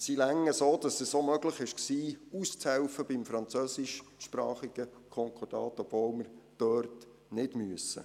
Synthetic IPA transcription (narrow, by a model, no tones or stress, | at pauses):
silæŋːəsoːdɑsɛssomœɡləχɪʃksiːust͡shɛwfəbɪmfɾɑnt͡søsɪʃʃpɾɑːχiɡ̥əkʰɔŋkʰɔɾd̥ɑ̰ːtɔb̥voːlməɾd̥øːrt | nɪdmyəsə̰